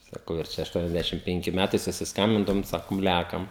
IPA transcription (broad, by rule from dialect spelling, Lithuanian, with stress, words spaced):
sɐˈkɐʊ ɪr ˈt͡ʃʲɛ ɐʃˈtuɔnʲɛzʲˌdʲæʃʲɪm ˈpʲɛŋʲkʲɪ ˈmʲætɐɪ sʊsʲɪsˈkɐmʲbʲɪndɐʋoːm ˈsɑːkoːm ˈlʲæːkɐm